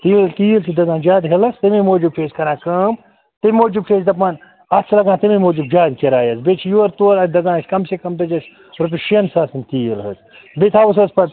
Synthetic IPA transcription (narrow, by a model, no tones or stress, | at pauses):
t̪iːlt̪iːlt̪ʰid̪ɐɡãːd͡ʒaːd̪ɦelɐst̪ɐmimoːd͡ʒub̚ʈʰeːskɐɾãːkɐm | t̪imʲmoːd͡ʒubʈʰeːsʲd̪ɐp̬aːn | ɐt̪t͡ʃʰlɐɡãːt̪ɐmimoːd͡ʒub̚d͡ʒaːd̪kʲeɾaːjɐzbet͡ʃʰjuɐɾt̪ulɐt̪ʰd̪ɐɡãːsʲkɐmsekɐmt̪ɐd͡ʒɐs | ɾɐp̬uʃiɐnsaːsɐnʲt̪iːilɦɐz | bet̪ʰaːwus̬ɐzpɐt̪